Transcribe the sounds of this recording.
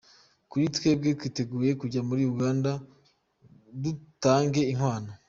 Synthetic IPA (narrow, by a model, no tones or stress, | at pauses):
kuɾitwe̞ːbɡe̞twiːte̞ɡuːje̞kuɟamuɾiuɡaːnda | dutaːŋɡe̞iŋ̥waːna